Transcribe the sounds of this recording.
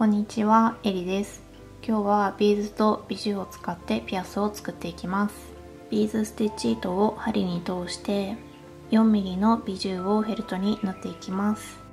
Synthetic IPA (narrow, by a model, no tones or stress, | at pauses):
kõ̞ɲ̟ːit͡ɕiβae̞ɾʲid̪e̞sɨ̥ | kʲo̞ːβabʲiːzɨt̪o̞bʲiʑɨːo̞t͡sɨ̥kat̪ːe̞pʲiasɨo̞t͡sɨ̥kɯ̟t̪ːe̞ikʲimasɨ̥ | b̥ʲiːzɨsɨ̥t̪et͡ɕiːt̪o̞ohaɾʲiɲ̟it̪o̞ːɕi̥t̪e̞ | jõ̞mːʲiɡʲino̞bʲiʑɨːo̞ɦe̞ɾɯ̟t̪o̞ɲ̟inat̪ːe̞ikʲimasɨ̥